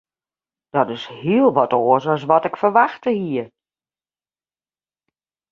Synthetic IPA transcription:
d̥ɔtɪshiəlˠʋɔtoːəsɔs̬ʋɔtɪkfərʋaxtəhiːər

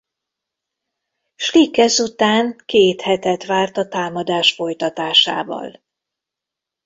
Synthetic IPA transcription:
ʃlikːɛzut̪aːŋkeːt̪hɛt̪ɛt̪ʋaːrt̪ɒt̪aːmɒd̪aːʃfo̞jt̪ɒt̪aːʃa̰ːvɒ̰l

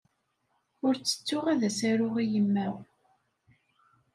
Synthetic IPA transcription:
ʊɾt͡sːə̥t͡sːʊʁaðæsæɾʊʁijəmːæʁ

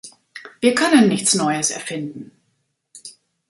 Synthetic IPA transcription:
v̥iːɐkʰœnənːɪçt͡snɔʏəsɛ̰ɐfɪndn̩

